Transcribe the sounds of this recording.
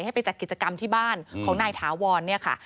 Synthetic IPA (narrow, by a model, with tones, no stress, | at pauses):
jha˥˩jpa˧jt͡ɕa˨˩t̪̚ki˨˩t̪̚t͡ɕa˧ka˧mt̪ʰiː˥˩baː˥˩nkʰɔː˩˦ŋnaː˧jt̪ʰaː˩˦wɔː˧nːi˥˩ɐkʰa̰˥˩